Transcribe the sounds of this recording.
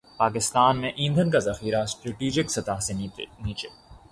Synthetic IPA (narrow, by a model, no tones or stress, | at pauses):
paːkɪst̪aːnmẽʔĩːnd̪ʱənkazɐxiːɾasʈɾeʈiːd͡ʒɪksɐt̪aːseniːt͡ʃeː